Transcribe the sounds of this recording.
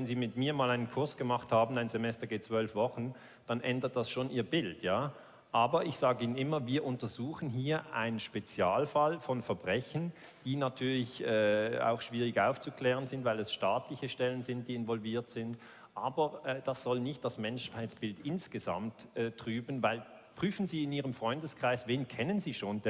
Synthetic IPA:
vɛnziːmɪtmiːɐmaːlaɪnənkʰʊɐsɡ̥əmaχthaːbn̩aɪnzɛmɛstɐɡeːt͡sv̥œlfv̥ɔχn̩ | d̥anʔɛndət̚d̥asʃoːnʔiːɐbɪltjaː | ʔaːbɐɪçz̥aːɡəiːnənɪmɐviːɐʔʊntɐzuːχn̩ɦiːɐʔa̰ɪnənʃpet͡sjaːlfalfɔnfɛɐbʁɛçən̩ | d̥iːnatʰyːɐlɪçɛːa̰ʊxʃv̥iːʁɪçʔaʊft͡sukl̥ɛːʁənzɪntv̥aɪlɛsʃtaːtlɪçəʃtɛlənzɪnt̚d̥iːɪnvɔlviːɐtz̥ɪnt | ʔaːbɐɛd̥asz̥ɔlnɪçt̚d̥asmɛnʃhaɪtt͡sb̥ɪltɪnsɡ̥əza̰mtʔɛːtʁ̥yːbn̩vaɪl | pʁ̥yːfn̩ziːɪniːʁəmfʁ̥ɔʏndəskʁ̥aɪsveːnkʰɛnənziːʃoːnd

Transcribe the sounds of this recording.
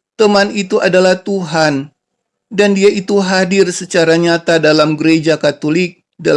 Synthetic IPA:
t̪əmanit̪uʔadalaht̪uɦan | dandiait̪uɦadɪrsət͡ʃaɾaɲat̪adalamɡəɾed͡ʒakat̪olɪk̚ | da

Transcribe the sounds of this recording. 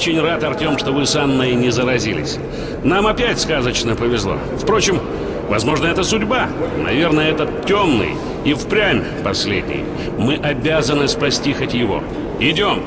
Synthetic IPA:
t͡ɕɪnʲrat̪ɐrtʲo̞mʂt̪o̞vɨsanːəjənʲɪzəɾɐzʲilʲɪ̰sʲ | namɐpʲætʲskazət͡ɕnəpəvʲɪzlˠo̞̰ | fpɾo̞t͡ɕɪm | vɐzmo̞ʐnəɛt̪əsʊdʲbanɐ̰vʲe̞rnəjəɛt̪ətʲːomnɨ̰j | ifpɾʲamʲ | pɐsʲlʲḛdʲnʲɪ̰j | mɨʔɐbʲazənɨspɐsʲtʲixətʲjɪvo̞̰ | ɪdʲo̞m

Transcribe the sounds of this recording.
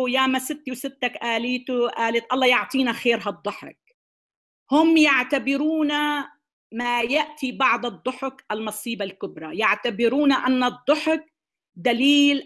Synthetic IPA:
jaːmasɪt̪ːiwsɪt̪ːakʔaːliːt̪ʊʔaːlɪt̪ʔɑlˤːɑːjʊʕt̪ˤiːnaxeːɾɦɑd̪ˤːʊħʊ̰k̚ | hʊmjaʕt̪abɪɾuːna | majaʔt̪ibɑʕd̪ˤɨd̪ˤːʊħʊkʔalmɑsˤiːbalkʊbɾˤɑjaʕt̪abɪɾuːnaʔanːɑd̪ˤːʊħʊk̚ | d̪aliːl

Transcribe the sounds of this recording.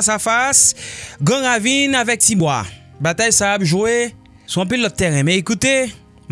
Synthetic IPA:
safasɡãʁavinavɛk̚tibwa̰ | bat̪ajsaːpʒue | suɔ̃p̬ilːɔt̪̚ːɛʁɛ̃mɛ̃ikut̪e | m

